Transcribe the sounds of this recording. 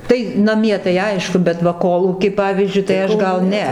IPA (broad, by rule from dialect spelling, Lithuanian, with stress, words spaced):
ˈtɐɪ nɐˈmʲiɛ tɐɪ ˈɐɪʃkʊ bʲɛt ˈʋɐ ˈkoːlˠuːkʲiː ˈpɑːʋʲiːzʲd͡ʒʲʊɪ tɐɪ ˈɐʃ ˈɡɐlˠ ˈnʲɛ